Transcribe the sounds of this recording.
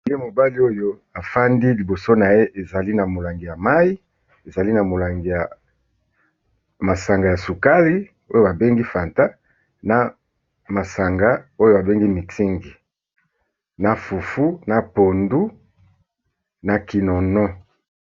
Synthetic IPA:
le˦mo˨ba˦li˦o˦jo˦ | a˨fa˦ndi˦li˨bo˨so˦na˨je˦ʔe˨za˨li˦na˨mo˨la˨ŋɡi˨ja˨ma˦i˦ | e˨za˨li˦na˨mo˨la˨ŋɡi˨ja˨ | ma˨sa˨ŋɡa˨ja˨su˨ka˦li˦ | o˦jo˦ba˨be˦ŋɡi˦fa˨nta˦ | na˨ | ma˨sa˨ŋɡa˦o˦jo˦a˨be˦ŋɡi˦mi˨ti˦ŋɡi˨ | na˨fu˨fu˦na˨po˨ndu˦ | na˨ki˨nɔ˨nɔ˦

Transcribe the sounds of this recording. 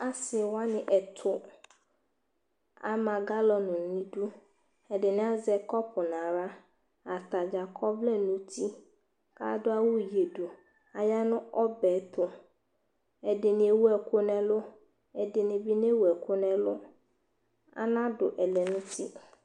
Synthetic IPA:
a˦sɪ˨wa˦nɪ̃˨ʔɛ˨tʰʊ˨ | a̰˨mã˨ɡa˦lɔ˨nʊ̃˨nĩ˦du˦ | ɛ˨dɪ˨nɪ̃˦a˦zɛ˨kɔ˦pʰʊ˨nã˨ɾa˦ | a˨t̪a˨d͡ʒa˨kʰɔ˦vlɛ˦nũ˦tʰi˦ | ka̰˦dʊ˦a˦wʊ˦je˨du˨ | a˨ja˦nʊ̃˦ɔ˦bɛ˨˦t̪ʰʊ˨ | ɛ˨dɪ˨nɪ̃˨e˨wu˦ɛ˨kʰʊ˦nɛ̃˦lʊ˦ | ɛ˨dɪ˨nɪ̃˨bi˦n˦e˦wu˨ɛ˨kʰʊ˦nɛ̃˦lʊ˦ | a̰˦nã˦dʊ˨ʔɛ˨lɛ˨nʊ̃˦tʰi˦

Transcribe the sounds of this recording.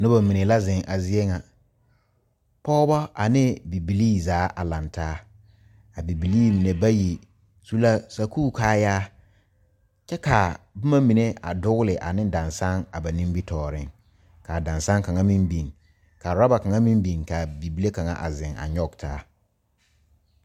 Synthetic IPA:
nʊ˦ba˨mi˨ne˨la˦zɪ̃˨ŋʔa˨zɪ˦e˦ŋa˨ | pɔː˦bɔ˦a˨nɪ˦bi˨bi˨liː˦˨zaː˨˦ʔa˨la˨ntaː˦ | a˨bi˨bi˨liː˦mi˨ne˨ba˦ji˨ | su˦la˦sa˨kuː˦kʰaː˦jaː˦ | t͡ʃɛ˦ka˨bʊ˦ma˦mĩ˨ne˦a̰˨dʊ˦ɣlɪ˨ʔa̰˨nɪ̃˦dã˨nsa˦ŋa˨ba˨nĩ˦m˦bi˦tʰɔː˨ɾɪ̰˦ŋ | ka˨dã˨nsa˦ŋka˨ŋa˦mĩ˦mbi˨ŋ | ka˨ɾa˦ba˨ka˨ŋa˦mĩ˦mbi˨ŋka˨bi˨bi˨le˦ka˨ŋa̰˨ʔa̰˨zɪ˨ŋa̰˨ɲɔ˦˨ɡtʰaː˦

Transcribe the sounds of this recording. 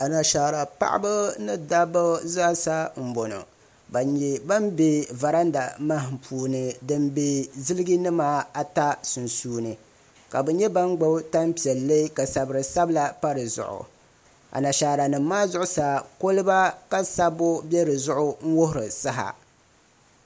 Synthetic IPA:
a˨na˨ʃa˨ɾa˨pa̰˦ʔɪ̰˦bɨ˦nɨ˦da˦bɨ˦za˦sa˦m̩˨bo˨no̰˨ | ba˨ɛ˨ba˦mbe˦va˨ɾa˦nda˨ma˦ɦɪ˨mpʰuː˨˦nɨ˨dɨ˦mbe˦zɨ˦lɨ˦ɡi˦nɨ˦maː˦a˨ta˦sʊ˨nsuː˦nɨ˨ | ka˨bɛ˨ɲɛ˦ba˦ŋɡ͡ba˦ta˦mpi˨ɛ˨lːe˦ka˨sa˨bɨ˨ɾɨ˨sa˦bla˨pa˦ɾɨ˨zʊ̰˨ʔʊ̰˨ | a̰˨na˨ʃaː˨ɾa˨nɨ˨mː˦aː˦zʊ˦ʔʊ˦sa˨ko˦lɨ˦ba˦ka˦sa˦bʊ˦bɛ˦ɾɨ˨zʊ˦ʔʊ˦ŋ̩˦wʊ˦hʊ˨ɾɨ˨sa˦ɦa̰˨

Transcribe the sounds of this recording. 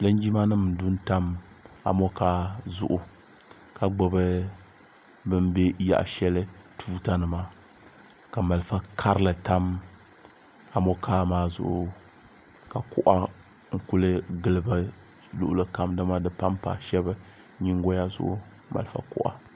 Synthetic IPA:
lɨ˦n˦d͡ʒi˦ma˦nɨ˦m˨du˦n˦ta˦m | a̰˨mɔ˦kaː˦zʊ̰˨ʔʊ˨ | ka˨ɡ͡bo˦bɨ˦ | bɨ˦mbe˦ja̰˨ʔʃɛ˦lɨ˦tʰuː˦ta˦nɨ˨ma˨ | ka˨ma˨lfa˦kʰa˦ɾɨ˦lɨ˨ta˦m | a˨mɔ˦kʰaː˦maː˦zʊ̰˨ʔʊ˨ | ka˨kʊ˦ʔa˦ | ŋ̩˦kʊ˦lɨ˦ɡɨ˦lɨ˦ba˦ | lʊ̰˦˨ʔʊ˦lɨ˦ka˦mdɨ˦ma˦dɨ˨pa˦mpa̰ː˨ʃɛ˦bɨ˦ | ɲi˦ŋ˦ɡɔ˦ja˦zʊ̰˦ʔʊ̰˦ | ma̰˨lfa̰˨kʊ̰˦ʔa̰˨

